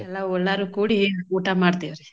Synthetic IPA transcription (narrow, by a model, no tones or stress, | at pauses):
ɛlːaɔɭːaɾukuːɽiuːʈamaːɽt̪iʋɐɾe